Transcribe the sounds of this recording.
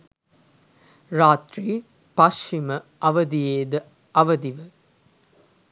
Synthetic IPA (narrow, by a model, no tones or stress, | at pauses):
raːt̪ɾiː | pɐʃiməɐʋəd̪ijeːd̪ə | ɐʋɐd̪iʋə